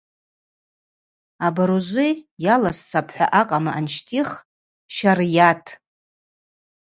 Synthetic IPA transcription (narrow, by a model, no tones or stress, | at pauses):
abaɾuʒʷɪjalast͡sʰapʰħʷᶣa̰ʔaqʼamaʔanʃtʰiχ | ʃarjatʰ